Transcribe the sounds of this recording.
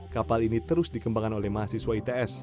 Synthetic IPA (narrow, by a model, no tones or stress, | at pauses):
kapalinit̪əɾʊsdikəmbaŋanolɛhmaɦasiswait̪eɛs